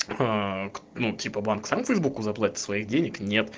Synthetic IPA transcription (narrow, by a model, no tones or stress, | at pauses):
aknutʲipəbanksamfʲəjzbukʊzɐplˠatʲɪt̪svɐiɣdʲenʲɪknʲe̞t̪